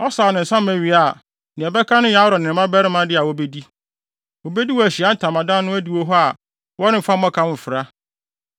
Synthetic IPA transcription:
ɔ˦saː˨nɪ̃˨n̩˨sã˦mæ˨ɥi˨a˨ | nɪ̃˨ɛ˨bɛ˦kʰa˦nʊ̃˦jã˦ɾɔ˨nɪ̃˨ɪ̃˨mã˦bɛ˦ɾɪ˦mã˦dɪ˦a˨wɔ˦be˦di˦ | wɔ˨be˦di˦wɔ˨æ˨ɕi˨a˦n̩˦tʰã˨mã˨dã˦nʊ̃˦æ˦di˨wo˦ɦɔ˦a˨ | wɔ˦nɪ̃˦m̩˨fa˦mã˦kʰã˦m̩˨fɪ˨ɾa˦

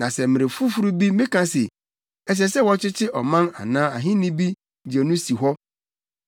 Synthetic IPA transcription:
nã˨sɛ˨mɪ̃˨ɾe˨fu˦fu˦ɾu˦bi˦mɪ̃˦kʰã˦se˨ | ɛ˨s̬ɛ˨sɛ˦wɔ˦t͡ɕʰɪ˦t͡ɕʰɪ˦ʔɔ˨mã˦na̰˨nãː˦a˨ɦɪ̃˦nĩ˦bi˦ | d͡ʑi˨e˨nũ˦si˨ɦɔ˦

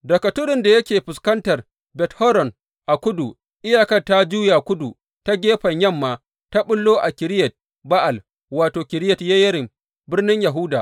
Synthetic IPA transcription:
dɐ˨kɐ˨tʊ˦ɽɪ˨nda˨jɐ˦kʲeː˨ɸʊ˨skɐ˦ntɐ˨r | bɛ˨thɔ˦ɾɔ˨n | ʔa˨kʷʊ˦du˨ | ʔɪ˦jaː˨kɐ˦rta˦d͡ʒuː˦ja˨kʷʊ˦du˨ | ta˦ɡʲeː˦ɸɐ˨ɲjɐ˦mːaː˨ | ta˦ɓʊ˦lːoː˦ʔa˨kʲɪ˨ɾɪ˦jɛ˨t̚ | ba˦ʔa˨l | waː˨toː˨kʲɪ˨ɾɪ˦jɛ˨tja˦jɐ˦ɾɪ˨m | bɪ˦rnɪ˦ɲja˨ɦʊ˦daː˨ʔ

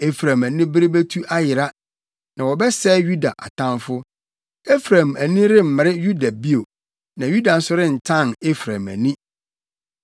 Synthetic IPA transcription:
e˦fɾã˨mæ˨nĩ˦bɪ˦ɾe˦bæ˦tʰu˦ʔa˦jɪ˨ɾa˦ | nã˨wɔ˨bɛ˦sɛ˦ju˦da˨ʔa̰˨tʰã˦nfʊ˦ | e˦fɾa˨mæ˨nĩ˦ɾɪ˦m̩˨mɪ̃˨ɾɪ˦ju˦da˨bi˦o˨ | nã˨ju˦da˨n̩˦sʊ˦ɾɪ̃˦n̩˨tʰã˦˨ne˦fɾã˨mæ̰˨nĩ˦

